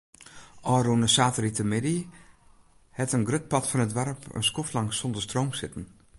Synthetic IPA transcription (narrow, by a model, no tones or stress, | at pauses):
ʔɔːrunəsaːtəritəmɪdi | hɛtənɡrøt̚pɑtfɔnətʋɛɾpə̰nskoflaŋsɔndərstrowmsɪtn̩